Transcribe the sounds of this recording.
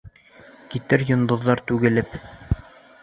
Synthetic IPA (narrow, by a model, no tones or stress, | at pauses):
kit̪ɘɾjŏnd̪ŏðːɑɾt̪ʉɡɘ̆lɘp